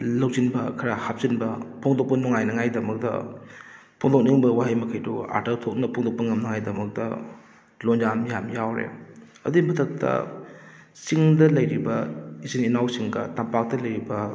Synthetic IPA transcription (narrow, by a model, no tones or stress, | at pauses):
lɐwzinbɐkʰɐɾahap̚zinbɐpʰoŋdok̚pɐnoŋajnɐŋajdɐmɐk̚tɐ̰ | pʰoŋdok̚niŋbɐwaɦijmɐkʰɐjdua̰ɾtɐɾtʰok̚nɐpʰoŋdok̚pɐŋɐmnɐŋajdɐmɐk̚tɐ̰ | lonzamjamjawɾḛɐ̰dimɐtʰɐk̚tʰɐ̰ | siŋdɐlɐjɾibɐizininawsiŋɡɐ̰tampak̚tɐlɐjɾibɐ